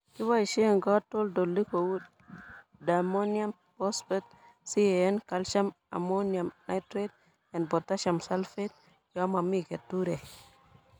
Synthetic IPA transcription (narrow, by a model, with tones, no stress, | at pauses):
ki˦wa˦˨ʃe˦˨ŋɡa˦to˦ldo˨lːi˦ko˨wu˦d | da˨mo˦nja˦m | po˦spɛ˦t̚ | si˦e˨e˦nka˦lʃa˦m | a̰˨mo˦nia˨mna˦tɾe˦d̚ | ɛ˨nbo˨tːa˦ʃa˨msa˦lfe˦t̚ | ja˨˦ma˨mi˦ke˨tːu˦ɾe˨